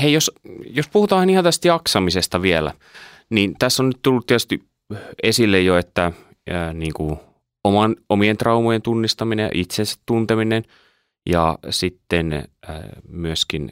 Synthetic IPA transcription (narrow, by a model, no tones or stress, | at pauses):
heijosjospuhut̪ɑːɑnihɑnt̪æst̪jɑksɑmisest̪ɑʋiɛlæ̰ | nint̪æsːonnyt̪t̪ulːut̪iɛt̪y̥st̪i | esilːejjoet̪ːæ | niːŋku | omɑnomient̪rɑumojent̪unːist̪ɑminejɑ̰ʔit̪sensæ̥t̪t̪unt̪eminen | jɑ̰sit̪ːen̰ː | myøskin